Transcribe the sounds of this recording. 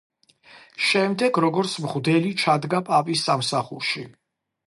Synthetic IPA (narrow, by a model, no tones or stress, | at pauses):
ʃɛmd̪ɛɡɾɔɡɔɾt̪sʰmʁd̪ɛlit͡ʃʰad̪ɡapʼapʼisːamsaχṵɾʃi